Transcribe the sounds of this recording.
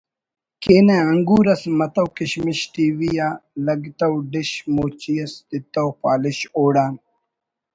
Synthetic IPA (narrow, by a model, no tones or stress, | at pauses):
keːneɐŋɡuːɾɐsmɐt̪ɐwkiɕmiɕʈiːwijaːlɐɡt̪ɐwɖiɕmoːt͡ɕijɐsd̪it̪ɐwpaːliɕoːɽaːn